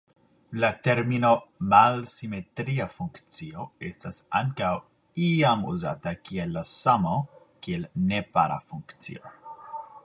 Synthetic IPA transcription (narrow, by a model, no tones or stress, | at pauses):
late̞ɾmino̞malsime̞tɾiafuŋkt͡sio̞e̞stasa̰ŋkaw | iamṵza̰takielːasamo | kielne̞pa̰ɾa̰fuŋkt͡sḭo